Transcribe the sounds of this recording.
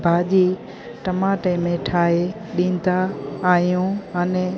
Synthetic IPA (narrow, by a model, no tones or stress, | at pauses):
bʱaːʄiː | ʈɐmaːʈemẽʈʰaːe | ɗĩːn̆d̪aːjũəne